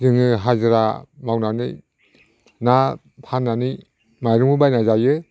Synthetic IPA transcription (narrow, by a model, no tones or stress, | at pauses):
zɯŋɯɦazɯɾamawnanɯj | na | pʰanːani | majɾuŋɯbajnazajɯ